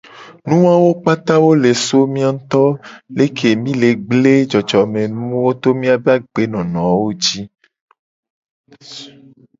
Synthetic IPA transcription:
nũ˦wa˦wo˦k͡pa˦t̪a˦wo˦le˨so˦mĩ˦a˦ŋ̩˦t̪ɔ˦le˦kʰe˨mĩ˦le˨ɡ͡ble˦d͡ʒɔ˨d͡ʒɔ˨mẽ˨nũ˦wo˦t̪o˦mĩ˦a˦be˦a˦ɡ͡be˨˦nɔ̃˨nɔ̃˨wo˦d͡ʒi˦

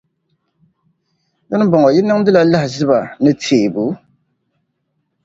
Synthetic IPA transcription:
dɔ˦nɨ˦bɔ˨ŋɔ˨jɪ˦nːɨ˦ŋdɨ˦la˨˦la˦hɪ˨zɨ˦ba˨nɨ˦tʰeː˨bu˨˦

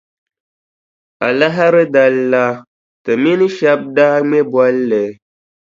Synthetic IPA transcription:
a˨la˦ɦa˦ɾɨ˦da˨lːa˦ | tɨ˨mi˦nɨ˦ʃɛ˦b̚daː˦ŋ͡mɛ˦bwa˦lːɛ˨˦

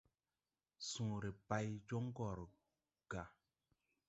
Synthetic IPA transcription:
sũː˨ɾe˨pa˧˦jd͡ʒo˦ŋ˦ɡɔ˨ɾ | ɡ̥a˨

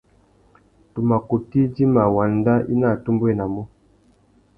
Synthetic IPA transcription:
tu˨ma˨ku˨ti˦di˦ma˨wa˨nda˦ʔḭ˦na˦˨tu˦mbwɛ˦˨na˨mɔ˦

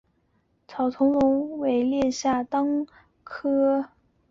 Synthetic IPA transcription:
t͡sʰɑ˨˩ʊt̪ʰʊ˧˥ŋlʊ˧˥ŋwe˨˩ɪljɛ˥˧ɕja˥˩t̪ɑ˥ŋ | kʰɤ˥

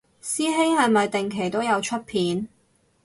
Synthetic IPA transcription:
siː˥ɦe˥ŋhɐ˨˧jmɐ˨jt̪ɪ˨ŋkʰe˨˩jt̪o˥wjɐ˨˧wt͡ʃʰɵ˥t̚pʰiː˨˥n

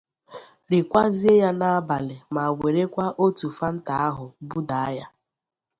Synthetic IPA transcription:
ɾɪ˨kʷa˦zi˦e˦ja˦na˦a˦ba˨lɪ˨ma˨we˨ɾe˦kʷa˦ʔo˦tu˨fa˦n̩˦ta˦a˦ɦʊ˨bu˦da˨a˦ja˦

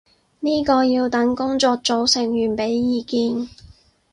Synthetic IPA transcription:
niː˥kɔː˧jiː˧wt̪ɐ˨˥ŋkʊ˥ŋt͡sɔː˧k̚t͡so˨˧wsɪ˨˩ŋjyː˨˩npe˨˥jːiː˨˧kiː˧n

